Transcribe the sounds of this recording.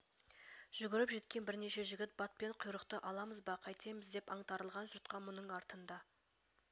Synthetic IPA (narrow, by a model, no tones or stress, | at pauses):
ʒ̥ʏɡʲɪɾɪpʒe̞t̪̚kʲe̞nbɪɾne̞ʃe̞ʒɪɡʲɪt̪̚bɑt̪̚pe̞ɴqʰʊjɾəqt̪əʔɑlˠɑməzbɑqʰɑjt̪ejməzd̪e̞pɑɴt̪ɑɾəlˠʁɑnʒʊɾt̪qɑmʊnəɴɑɾt̪ənd̪ɑ